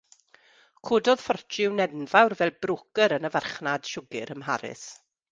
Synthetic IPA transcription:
kʰʊːdɔðfɔrt͡ʃɪwnɛdnvawrvɛlˠbrʊkəɾənəvarχnad̥ʃʊɡɪɾəmɦaɾɪ̰s

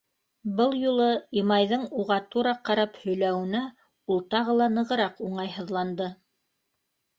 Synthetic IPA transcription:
bɤlˠjulˠɤimɑjðɤɴuʁɑt̪uɾɑqɑɾɑphɵ̆jlæwɘ̆næ | ulˠt̪ɑʁɤ̆lˠɑnɤ̆ʁɤ̆ɾɑquɴɑjɦɤ̆ðlˠɑnd̪ɤ

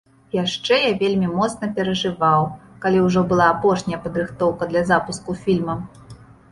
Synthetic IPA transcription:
jaʂt͡ʂɛjavʲelʲmʲimɔt̪sn̪ɐpʲɛɾɐʐɨvawkalʲiwʐɔbɨlˠaːpɔʂnʲɐjɐpɐd̪ɾɨxt̪ɔwkɐd̪lʲɐzapuskufʲilʲmɐ

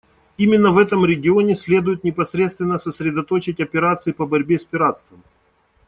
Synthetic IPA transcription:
imʲɪnːəvɛt̪əmɾʲɪɡʲɪonʲɪsʲlʲe̞d̪ʊjɪt̪nʲɪpɐsɾʲe̞t̪st̪vʲɪnːəsəsʲɾʲɪd̪ɐt̪o̞t͡ɕɪtʲɐpʲɪɾat̪sɨɪpəbɐɾʲbʲespʲɪɾat̪st̪vəm

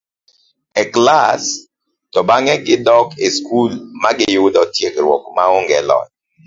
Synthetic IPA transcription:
ɛklas | tɔbaŋɛɡɪdɔkeskulmaɡɪjʊdɔtjeɡɾwɔ̰kmaoŋɡɛlɔ̰t̚

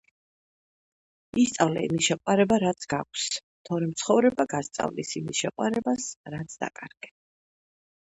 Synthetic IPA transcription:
ist̪sʼavlɛa̰ḭmisʃɛqʼwaɾɛbaɾat̪sʰɡ̥ak̚ʷʰs | t̪ʰɔɾɛmt̪sʰχɔvɾɛbaɡast̪sʼa̰vlisimisʃɛqʼwaɾɛbasɾat̪sʰd̪a̰kʼaɾɡ̥ɛ

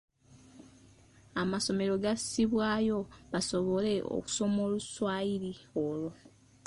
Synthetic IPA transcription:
amaso̞me̞ɾo̞ɡasiβwaːjo̞βasoβo̞le̞o̞̰ku̥so̞moːluswaːjiɾiolo

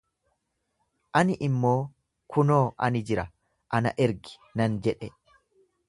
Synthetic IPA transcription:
ʔɐnɪʔɪmːo̞ː | kʰʊno̞ːʔɐ̰nɪd͡ʒɪɾɐ | ʔɐnɐ̰ʔɛɾɡɪ̥nɐnd͡ʒɛᶑɛ

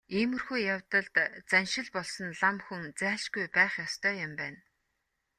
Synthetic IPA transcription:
iːmɵ̆rxujjawt̪ə̆ɮt̪t͡sænʃɪ̆ɮpɔɮsɞ̆nɮamxunt͡sæːɬt͡ɕɡujpæːχjɔst̪ʰœːjʊ̆mpæːn

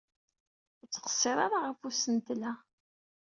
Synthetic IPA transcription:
t͡sːə̥qə̥sˤːɪɾˤaɾaʁəfusənt̪læ

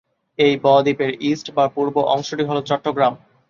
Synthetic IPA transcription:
ejbɔd̪ipeɾisʈbapuɾboʔɔŋʃoʈiɦɔlot͡ɕɔʈːoɡɾam

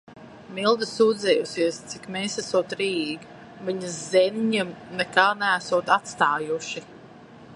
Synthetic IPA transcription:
milˠd̪isuːd̪zɛjusiɛst̪sikmɛːsæsuːt̪ɾiːɡ | viɲɐzzɛniɲimnɛkaːnææsuɔt̪at̪st̪aːjuʃi

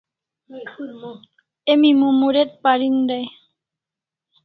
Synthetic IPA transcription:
emimũmuɾet̪̚paɾind̪aj

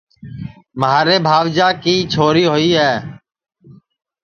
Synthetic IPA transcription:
məɦaːɾeːbʱaːʋd͡ʒaːkiːt͡ʃʰoːɾiːɦoːiːɦɛː

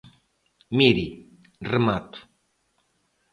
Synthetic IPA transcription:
miɾi | rɨmat̪u̥

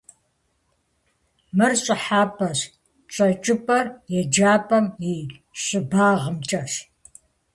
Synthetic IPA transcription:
mɨrɕʼɪħaːpʰʼɐɕ | t͡ʃʷʼɐt͡ʃʼɪpʼɐrjɛd͡ʒaːpʰʼɐmjiɕʼɪbaːʁəmt͡ʃʼɐɕ

